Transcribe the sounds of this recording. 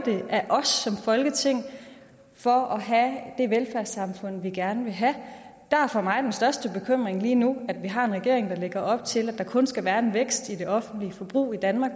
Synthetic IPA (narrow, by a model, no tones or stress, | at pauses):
d̥e̝ʔæʔɒ̽sːɒ̽mfɒ̽lɡ̥ət͡sʰe̝ŋ̰ | fɒ̽ɒ̽ɦæd̥e̝ʋelfæɐsɑ̈mfɔ̽n̰ʋiɡ̥æɐnəʋe̝ɦæd̥æɐfɒmɑ̈ɪd̥ensd̥ɶɐsd̥əb̥e̝kʰøm̰ʁeŋliːnuæd̥ʋiɦɑ̈e̝nʁɛɡ̥e̝ɐ̰eŋd̥ɑ̈le̝ɡ̥ɐʔɒ̽b̥̚t͡sʰe̝læd̥ɑ̈kʰɔ̽nsɡ̥æʋæːɐe̝nʋeɡ̥sd̥id̥e̝ʔɒ̽fn̩d̥liəfɒb̥ʁṵːid̥ænmɑ̈ːɡ̥